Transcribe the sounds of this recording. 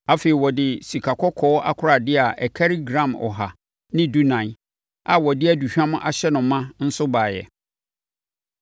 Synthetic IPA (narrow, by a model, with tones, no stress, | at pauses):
a˨feː˨i˨wɔ˨dɪ˨si˨kʰa˨kʰɔ˦kʰɔː˨˦a̰˦kʰʊ˦ɾa˨dɪ˦a˨ʔɛ˨kʰa˦ɾi˦ɡɾã˨mɔ̰˨ɦa˨ | nɪ̃˦du˦nã˨ | a˨wɔ˨dɪ˦æ˦˨du˨ɕᶣã˦m̃˦ʔa˨ɕɛ˦nʊ̃˨˦mːã˦n̩˦sʊ˦baː˨jɛ̰˨